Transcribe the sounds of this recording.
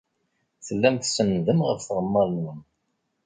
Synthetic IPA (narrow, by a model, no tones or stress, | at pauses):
θəlːæmθsənːðəmʁəfθʁəmːɑðˤnum